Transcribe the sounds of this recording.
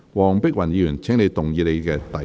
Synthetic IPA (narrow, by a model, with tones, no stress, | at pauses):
wɔː˨˩ŋpɪ˥k̚wɐ˨˩njiː˨˧jyː˨˩nt͡sʰːŋne˧jt̪ʊ˨˩ŋjiː˨˧le˨˧jkɛː˧t̪ɐ˨